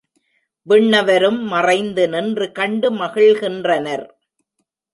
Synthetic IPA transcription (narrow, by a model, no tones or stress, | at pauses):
ʋɪɳːɐʋɐɾɯmːɐrɐɪnd̪ɯnɪndrɯkɐɳɖɯmɐɣɪɭɣɪndrɐnɐɾ